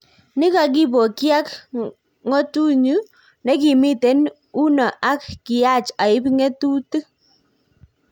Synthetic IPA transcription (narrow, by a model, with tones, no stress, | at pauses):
ni˦ka˨k̬i˦po˨kja˦k | ŋo˦tu˦ɲu˦ | ne˦ki˨mi˦te˦n | u˦nɔ˨ʔa˦kːi˨a˦˨t͡ʃa˨ɪ˦pŋe˦tu˦tɨ˦